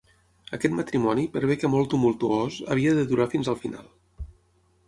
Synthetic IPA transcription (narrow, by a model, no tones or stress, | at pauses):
əkɛt̪mət̪ɾimɔnipəɾβ̞ɛkəmɔlˠt̪umulˠt̪uozə̰β̞iəðəðuɾafinzəlˠfina̰lˠ